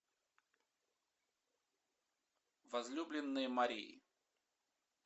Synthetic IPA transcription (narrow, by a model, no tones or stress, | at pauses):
vɐzlʲublʲɪnːɨjəmɐɾʲijḭ